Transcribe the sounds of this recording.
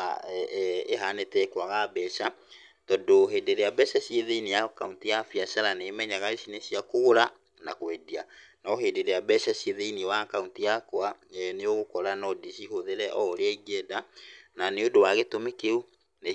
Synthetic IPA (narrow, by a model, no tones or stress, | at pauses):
a | eɦanetɛkwaɣabɛʃa | tɔdoɦeːdeɾejabɛʃaɕieðeinijakauntijafiasaɾaneːmɛɲaɣaesineɕiakoɣoɾa | nakwɛdianɔɦeːdeɾeabɛʃaɕeðeiniwakauntijakwaneoɣokɔɾanɔdiɕihoðeɾɛʔɔɾeaiɡɛdananeodowaɣetomekeu | ne